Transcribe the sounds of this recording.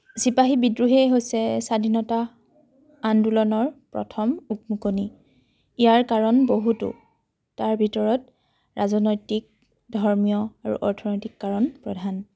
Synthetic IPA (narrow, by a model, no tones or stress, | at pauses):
sipaɦibidɹuɦɛɦojsɛsadʱinɔta | andulɔnɔɹpɹɔ̰tʰɔmuk̚mukoni | ijaɹkaɹɔnboɦutṵ | taɹbʱitɔɹɔt | ɹazɔnojtik̚ | dʱɔɹmijɔaɹṵʔɔɹtʰɔnɔjtikːaɹɔnpɹɔdʱan